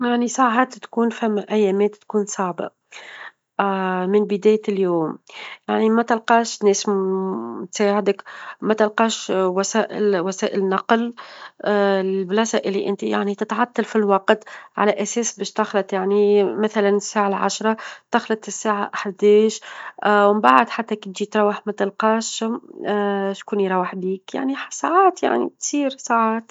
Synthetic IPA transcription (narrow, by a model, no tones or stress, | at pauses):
jaʕnisˤɑʕʕat̪t̪kuːnfæmːæʔæjːɛːmɛːt̪ːkuːnsˤɑʕba̰ | mɪnbɪd̪ɛːjljuːmjaʕnimæt̪ɪlqɑːʃnɛːs | t̪sæːʕɪd̪əkmæt̪ɪlqɑːʃwæsæːʔɪlwæsæːʔɪlnːɑql | ɪlblɑsɑʔɪlːiʔɪnt̪ija̰ʕnit̪ɪt̪ʕɑt̪ːɑlfilwɑqt̪ʕa̰læʔæsɛːsbɛːʃt̪ɑxlɑt̪ˤjaʕnimæθælænɪsːaːʕalʕa̰ʃɾˤɑt̪ɑxlɑt̪ɪsːaːʕaʔaħd̪ɛːʃwmbaʕd̪ħat̪ːækit̪ʒit̪ɾˤɑwːəħmæt̪ɪlqɑːʃ | ʃkuːniɾˤɑwəħbiːkja̰ʕniħsaʕɑːt̪ja̰ʕnḭt̪siːɾsaʕɑːt̪